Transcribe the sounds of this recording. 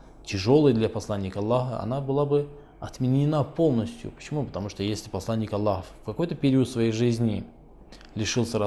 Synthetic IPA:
tʲɪʐo̞lˠəjəd̪lʲapɐslˠanʲːɪkəɐlˠːaxəɐ̰nabɨlˠabɨ | ɐt̪mʲɪnʲɪnapo̞lˠnəsʲtʲjʊ̰pə̥t͡ɕɪmupət̪ɐmuʂt̪ojesʲlʲɪpɐslˠanʲːɪkɐlˠːaxəfkɐko̞jt̪əpʲɪɾʲiət̪svɐjejʐɨzʲnʲɪ | lʲɪʂɨlˠsʲəɾɐ

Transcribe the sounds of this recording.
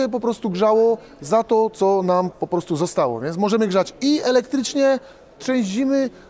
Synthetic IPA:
ɛp̬ɔpɾɔst̪uɡʐawɔ | zat̪ɔt̪sɔnampɔpɾɔst̪uzɔst̪awɔ̰vʲjɛnt̪mɔʐɛmɘɡʐat͡ɕiɛlɛkt̪ɾɘt͡ʂɲɛ | tʂɛ̃w̃ʑd͡ʑimɘ

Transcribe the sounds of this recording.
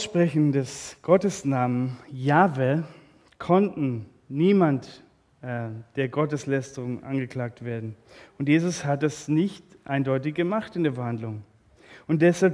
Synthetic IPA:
ʃpʁ̥ɛçn̩dɛsɡ̥ɔtəsnaːmənjaːve | kʰɔntn̩ | niːmantː | d̥eːɐɡɔtəslɛstəʁʊŋʔa̰nɡəkl̥aːk̚tv̥eːɐdn̩ | ʊntjeːzʊshat̚d̥asnɪçtʔaɪndɔʏtɪçɡ̥əmaχtɪndeːɐfɛɐhandlʊŋ | ʊnt̚d̥ɛshalp

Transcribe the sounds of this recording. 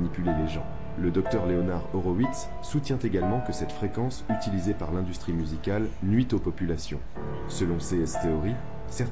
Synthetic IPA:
nipyleleʒɑ̃ | ləd̪ɔk̚t̪œʁleɔnaʁɔʁɔwit̪sːut̪jɛ̃t̪eɡalmɑ̃kəsɛt̪fχekɑ̃syt̪ilizepaʁlɛ̃d̪yst̪χimyzikalnɥit̪opɔpylasjɔ̰̃ | səlɔ̃seɛst̪eɔʁi | sɛʁ

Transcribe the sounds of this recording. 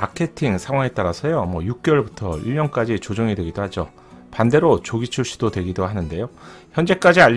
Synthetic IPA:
akʰe̞tʰiŋsʰaŋwaŋe̞t͈aɾasʰʌjomwʌjuk̚k͈jʌɭbutʰʌ̰iɭɲʌnk͈ad͡ʑit͡ɕod͡ʑoŋidwe̞ɡidohad͡ʑo | pande̞ɾot͡ɕoɡit͡ɕʰuɭɕ͈i̥d̥odwe̞ɡidoɦanɯnde̞joçjʌnd͡ʑe̞k͈ad͡ʑiaʎ

